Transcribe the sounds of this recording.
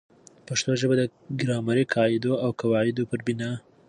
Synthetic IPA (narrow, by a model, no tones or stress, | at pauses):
paʂt̪oʒəbad̪ə | ɡɾɑmaɾikʰɑɪd̪oawkawɑɪd̪opəɾbɪnɑ